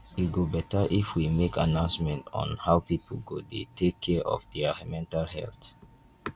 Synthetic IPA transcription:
wiɡobɛtəʔifwimekʰa̰nãʊ̃nsmɛ̃ntɔ̰̃nhawpipʰlɡodetʰekʰːɛʔɔ̰fdɛmɛ̃ntalhɛ̰lt

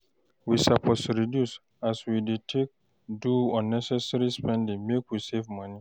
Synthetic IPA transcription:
wisapʰosɹidjus | aswidetʰek̚ | duɔ̃nɛsɛsɾispʰɛ̃ndĩŋmekwisevmʌ̃nĩ

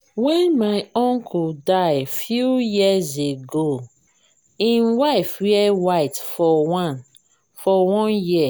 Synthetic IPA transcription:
wɛ̃nmaɪɔ̃ŋkʰɔdaɪfjujizeɡo | ĩnwaɪfwɛɛwaɪtfɔwãn | fɔwɔ̃njia

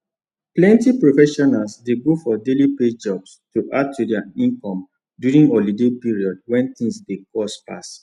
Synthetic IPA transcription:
plɛ̃ntipɹofɛʃɔnalsdeɡofɔdeliped͡ʒɔbstuʔad̚tʰudɛaĩŋkɔ̃m | djuɹĩŋɡɔlidepiɹiɔd̚wɛ̃nt̪ĩŋsdekɔspa̰s

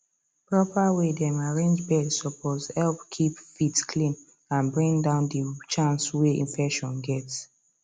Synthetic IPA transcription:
pɹɔpawedɛmaɹẽnd͡ʒbɛdsɔpʰozhɛlpkʰipfitskʰlĩn | ãnbɹĩŋdãʊ̃ndit͡ʃãnsweḭ̃nfɛkʃɔ̃nɡɛts

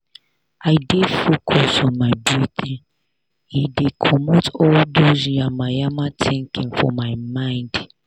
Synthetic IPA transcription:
aɪdefokʰɔsɔmaɪbjuθĩn | idekʰɔmotɔldozamajamatʰɪ̃ŋkɪ̃ŋfɔ̰maɪmãɪ̃nd

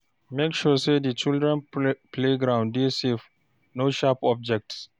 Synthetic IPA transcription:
mekʃɔsedit͡ʃildɹɛ̃npleɡɾãʊ̃ndesef | noʃapɔb̚d͡ʒɛk̚ts

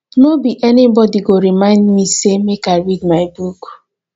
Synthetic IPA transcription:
nobiʔɛnibɔdiɡoɾimãɪ̃ndmisemekaɪɹid̚maɪbuk

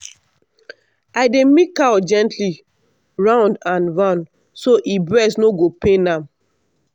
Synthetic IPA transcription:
aɪdemikad͡ʒɛ̃ntʰli | ɹãʊ̃ndãnvãn | soʔibɹɛsnoɡopenãm

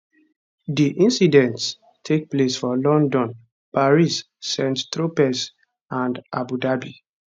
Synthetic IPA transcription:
diʔĩnsidɛ̃nts | tʰek̚plesfɔlɔ̃ndɔ̃n | paɹisː | ɛ̃nttɹopɛs | ãnda̰budabi

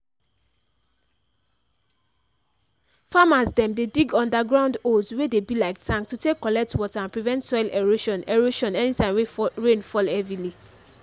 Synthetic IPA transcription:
famasdɛ̃mdediɡɔ̃ndaɡɹãʊ̃ndoldswedebilaɪk̚tãŋktutekːɔlɛk̚twɔtaãnpɹivɛ̃ntsɔɪlɛɹoʃɔ̃nɛɹoʃɔ̃nɛnitãɪ̃mweɹẽnfɔlɛvɹili

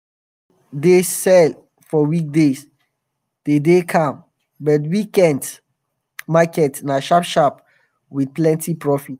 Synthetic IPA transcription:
desɛl | fɔwik̚des | d̥edekʰãm | bɔtwikɛ̃nd | makɛtnaʃapʃap | wid̚plɛ̃ntipɹɔfit

